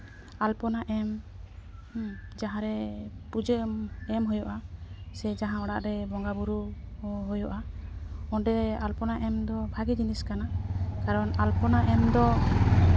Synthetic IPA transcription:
alpɔnaʔɛm | d͡ʒaɦãɾɛpud͡ʒeɛmɦojɔʔasɛd͡ʒaɦãɔɽa̰ʔɾɛbɔŋɡabuɾuɦojɔʔa | ɔ̃ɖɛalpɔnaʔɛmd̪ɔbʱaɡid͡ʒiniskanakaɾɔnalpɔnaʔɛmd̪ɔ

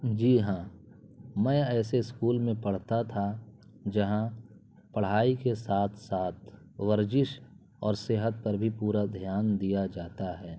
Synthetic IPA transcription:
d͡ʒiːɦãː | mɛ̃ːɛːseɪskuːlmẽpɐɽ̤t̪at̪ʰa | d͡ʒɐɦã | pəɽ̤aːikesaːt̪ʰsaːt̪̚ʰ | ʋəɾd͡ʒɪʃ | ɔːɾseːɦət̪̚pɐɾbʱipuːɾad̪ʱjaːnd̪ijad͡ʒaːt̪aɦɛː

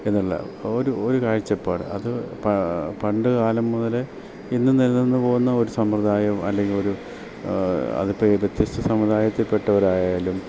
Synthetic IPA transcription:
e̞nːuɭːɐ̰ | oɾuoɾukaːɻit͡ɕːɐpːaːɽɨ̰ɐ̰ðɨpɐpɐɳɖɨkaːlɐmːuðɐle | inːɨnilnːenːɨpo̞ːɣunːɐo̞ɾusɐmprɐd̪aːjɐmɐlːeŋɡilo̞ɾu | ɐ̰ðɨpːɐbet̪jist̪ʰɐsɐmɐd̪aːjɐt̪ːilpe̞ʈːɐʋɐɾaːjaːlum

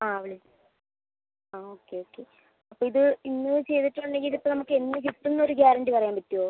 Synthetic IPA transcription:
aːɐʋiɭi | aːoːkːe̞o̞ːkːe̞ | ɐpːoːiðɨinːɨt͡ɕe̞jt̪iʈːuɳɖe̞ŋɡilipːoːnɐmukːɨe̞nːɨt͡ɕit̪ːunːɐoɾuɡaːɾɐɳɖipɐrɐjaːmpɐtːijoː

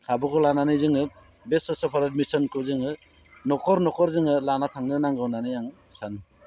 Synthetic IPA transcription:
kʰabɔkʰɔlananɯjzɯŋɯ | besɔsɔpʰaɾatmisɔnkʰɯzɯŋɯ | nɔkʰɔɾnɔkʰɔɾzɯŋɯlanatʰaŋnɯnaŋɡawnanɯjaŋ | san

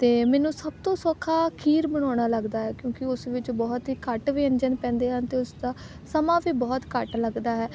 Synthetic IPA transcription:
t̪eːmɛːnũːsəb̚t̪õːsɔːkʰːaːkʰiːɾbəɽ̃ɔːɽ̃aːləɡd̪aːɦɛːkjõːkɪʊsʋɪt͡ʃbɔːt̪ɦiːkəʈʋiːə̃nd͡ʒənpɛ̃ːnd̪eːɦãːnt̪eːʊsd̪aː | səmãːʋiːbɔːt̪kəʈləɡd̪aːɦɛː

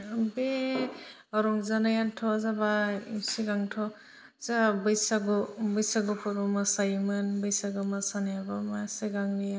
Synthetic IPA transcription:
be | ɔɾɔŋzanajantʰɔzabaisiɡaŋtʰɔ | zabɯjsaɡɔbɯjsaɡupʰɔɾɔmasajmɯnbɯjsaɡɯmasanajabamaseɡaŋnija

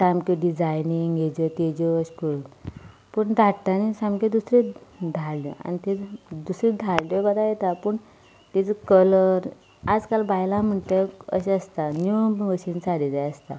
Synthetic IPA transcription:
ʈamkeɖid͡zajniŋɡed͡ʑɔt̪ed͡ʑɔəɕpuun | pəɳd̪ʱaʈʈ̪anisamked̪usɾed̪ʱallɔ̰a̰nit̪ed̪usɾed̪ʱallɔbad̪ajet̪apəɳ | t̪it͡səkələɾ | ad͡zkalbajlam̤əɳt̪eə̰ɕeəst̪anubəŋɡɕiːnt͡saɽid͡zajəst̪a̰

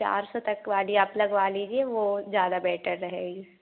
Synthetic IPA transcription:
t͡ʃa̰ːɾsɔt̪ɐkʋaːliaplɐɡʋaːliːd͡ʒieʋoːzjaːd̪abɛːʈʰəɾːɐɦeːɡi

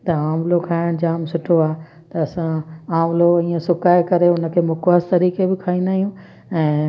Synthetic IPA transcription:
t̪ɐaːmlokʰaːɪɽ̃d͡ʑaːmsʊʈʰoaːɦ | t̪ɐɐsãaːmloĩːẽsʊkaːekɐɾeʊnəkʰeːmʊkwəst̪ɐɾiːkebɪkʰaːĩnd̪aːɦijũ | ɛ̃ː

